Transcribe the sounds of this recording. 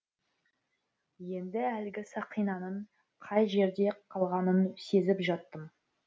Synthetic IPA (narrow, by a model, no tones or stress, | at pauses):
je̞nd̪ɪælɡʲɪsɑqʰijnɑnəɴ | qʰɑjʒe̞ɾd̪e̞qʰɑlˠʁɑnənse̞zɪpʒɑt̪ːəm